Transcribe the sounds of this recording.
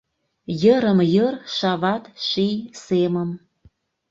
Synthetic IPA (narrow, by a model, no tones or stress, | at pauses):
jəɾəmjərʃɑβɑt̪ʃijsemə̆m